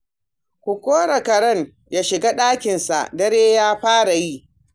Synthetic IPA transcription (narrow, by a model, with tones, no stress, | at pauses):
kʷu˨kʷoː˦ɽa˨kɐ˨ɽɐ˦ŋ | jaː˦ʃɪ˨ɡa˦ɗaː˦kʲɪ˨nsa̰˨ʔdɐ˦ɽeː˦jaː˦ɸaː˦ɽa˨ji˦ʔ